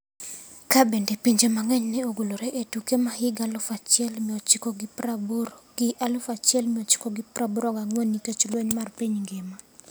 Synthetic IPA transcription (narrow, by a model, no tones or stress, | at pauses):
kabendepiɲd͡ʒemaŋɛɲnɛoɡoloɾeʔetukemahɪɡalʊfat͡ʃɛlmɪɔt͡ʃɪkoɡɪpabɡɪʔalʊfat͡ʃɪɛlmɪɔt͡ʃɪ̥koɡɪpɾabuɾɔɡaŋwonːitet͡ʃlweɲmarpiɲɡɪma